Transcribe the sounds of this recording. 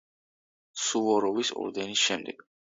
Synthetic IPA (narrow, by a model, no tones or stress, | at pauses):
suvɔɾɔvisɔ̰ɾd̪ɛnisʃɛmd̪ɛɡ̥